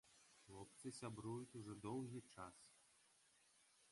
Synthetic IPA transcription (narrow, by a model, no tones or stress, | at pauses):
xlˠɔpt̪sɨsʲabɾujut͡sʲuʐɔd̪ɔwɣʲit͡ʂas